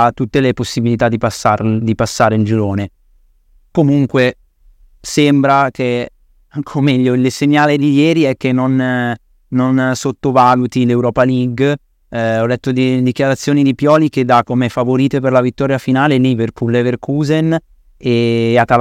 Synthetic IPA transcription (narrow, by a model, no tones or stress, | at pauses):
t̪ːut̪ːeleposːibilit̪ad̪ːipasad̪ipasːaːɾeind͡ʒiɾoːne | komuŋkwe | sembɾake | kʰomɛʎːoleseɲːaːled̪ijɛːɾiɛk̟ːenːonː | onsot̪ːovaːlut̪ilewɾɔːpaliɡ | ɔlːɛt̪ːod̪id̪ikjaɾat̪sːjoːnid̪ipjɔːliked̪akːomɛfːavoɾiːt̪eperlavit̪ːɔːɾjafinaːleliverpulːeverkuzen | eat̪ːa